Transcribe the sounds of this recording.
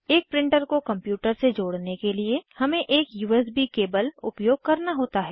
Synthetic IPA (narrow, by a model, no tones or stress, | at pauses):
eːk̚pɾɪ̃ɳʈəɾkokɐ̃mpjuːʈəɾsed͡ʒoːɽnekeliehɐmẽʔeːkjuːɛs̬bikeːbəlʊ̰pjoːɡ̚kɐɾnaɦoːt̪aɦɛː